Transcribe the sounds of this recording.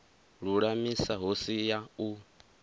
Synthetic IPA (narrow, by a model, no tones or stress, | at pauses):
ɺuɺamisaɦosijau